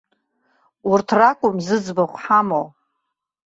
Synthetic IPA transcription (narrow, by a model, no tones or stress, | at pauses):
urtʰrakʷʼʊmzɨd͡zbaχʷħamo